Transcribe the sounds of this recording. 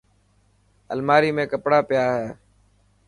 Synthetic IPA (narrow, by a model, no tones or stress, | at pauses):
ə̰lmaːɾiːmẽːkəpɽaːpɪjaːɦeː